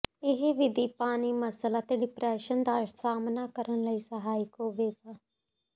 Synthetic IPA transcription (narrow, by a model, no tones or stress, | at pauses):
ɪɦʋɪd̪iːpaːniːməsəlaːt̪eːɖɪpɾɛːʃənd̪aːʃsaːmnaːkəɾənləiːsəɦaːɪkɦoːʋeːɡaː